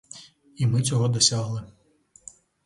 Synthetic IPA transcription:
imɨt͡sʲɔɣɔd̪ɐsʲaɣlˠɨ

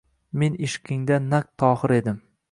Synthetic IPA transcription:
me̞nɪʃqʲʰɪŋd̪anak̚t̪ʰːɒχɨɾe̞d̪ɪm

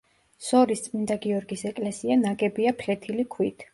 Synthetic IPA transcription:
sɔɾist̪sʼmind̪aɡiɔɾɡisɛkʼlɛsianaɡɛbiapʰlɛt̪ʰilikʰwit̪ʰ

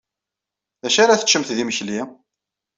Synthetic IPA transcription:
ðæʃaɾaθə̥t͡ʃːəmθðiməçli

